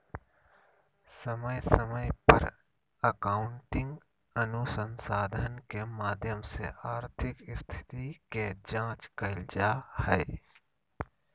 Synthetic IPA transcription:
sɐməjsəməjpəɾ | əkaːʊɳʈɪ̃ŋɡ | ənusənsaːd̪ʱənkemaːd̪ʱjəmsḛaːɾt̪ʰɪkɪst̪ʰɪ̥t̪iked͡ʒãːt͡ʃkɐɪld͡ʒahɛː

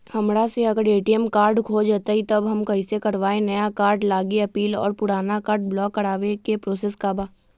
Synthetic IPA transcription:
hɐmɾaseɐɡəɾeːʈiɛmkaːɾɖkʰod͡ʒat̪ait̪ɐbɦɐmkɐĩsekɐɾʋaːenɐjakaːɾɖlaːɡiɐpiːlɔ̰ːɾpʊɽaːnakaːɾɖ̚blɔːkːɐɾaːʋekepɾoːseːskabaː

